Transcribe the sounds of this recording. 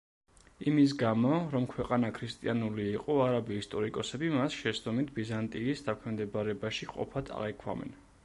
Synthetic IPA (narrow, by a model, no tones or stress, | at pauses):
imis̬ɡamɔɾɔmkʰwɛqʼanakʰɾist̪ʼianuliːqʼɔaɾabiːst̪ʼɔɾikʼɔsɛbimasʃɛsd̪ɔmit̪̚ʰbizant̪ʼiːsd̪akʰɛmd̪ɛbaɾɛbaʃiqʼɔ̰pʰad̪ʰa̰ʁɛkʰwa̰mɛ̰n